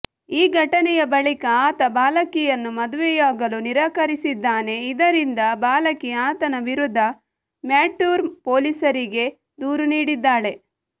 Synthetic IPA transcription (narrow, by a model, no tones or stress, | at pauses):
iːɡʱɐʈɐnɛjɐbɐɭikɐaːt̪ɐbaːlɐkijɐnːumɐd̪uʋɛjaːɡɐluniɾɐkɐɾisid̪ːaːne̞id̪ɐɾind̪ɐbaːlɐkijaːt̪ɐnɐʋiɾud̪ʱːɐ | mjaːʈjuːɾpoːlisɐɾiɡe̞ | d̪uːɾuniːɽid̪ːaːɭe̞